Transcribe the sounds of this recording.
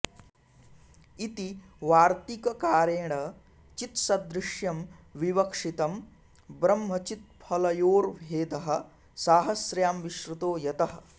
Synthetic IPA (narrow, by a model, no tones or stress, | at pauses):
it̪i | ʋaːɾt̪ikɐkaːɾeːɳɐ | t͡ʃit̪sɐd̪ɾɪʃjɐmʋiʋɐkʂit̪ɐm | bɾɐmɦɐt͡ʃit̪̚pʰɐlɐjoːɾʋʱeːd̪ɐɦɐ̆ | saːɦɐsɾjaːmʋiʃɾut̪oːjɐt̪ɐɦɐ̆